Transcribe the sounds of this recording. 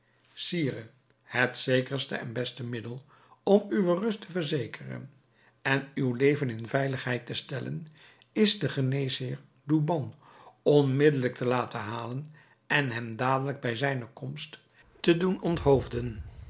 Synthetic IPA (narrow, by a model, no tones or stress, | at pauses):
siːrə | hətsejkərstə̰ɛ̰nbɛstəmɪdəlˠ | ɔmyʋərɵstəvəɹzejkʰərə̰n | ɛnywlejvənɪnvɛjləχɦɛjtəstɛlə̰n | ɪzdəχənejshɪːɹ | dubɑnɔnmɪdələk̚tʰəlaːtəɦaːlən | ɛnɦɛmdaːdələɡ̚bɛjzɛjnəkɔmst | tədunɔntɦowvdən